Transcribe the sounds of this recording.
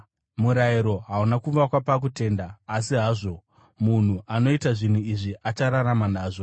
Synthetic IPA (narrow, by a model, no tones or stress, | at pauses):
muɾaiɾo̞ɦaunakuʋakwapak̬ute̞ːndaːsiɦaːʐo̞ | mun̤uʔano̞itaʐin̤uiʐiʔat͡ʃaɾaɾamanaːʐo